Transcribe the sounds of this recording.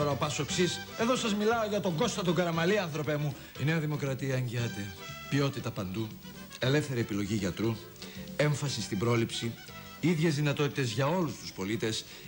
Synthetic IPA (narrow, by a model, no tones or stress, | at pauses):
oɾɐopɐso̞ksise̞ðo̞sɐzmilɐoʝɐt̪o̞ɡo̞st̪ɐt̪oɡɐɾɐmɐliɐnθɾo̞pe̞mu | ine̞ɐðimo̞kɾɐt̪iɐeɲɟiɐt̪epio̞t̪it̪ɐpɐnd̪u | e̞le̞fθe̞ɾie̞pilo̞ʝiʝɐt̪ɾu | e̞ɱfɐsist̪ibɾo̞lipsi | iðʝe̞zðinɐt̪o̞t̪it̪e̞zʝɐo̞lust̪u̥spo̞lit̪e̞s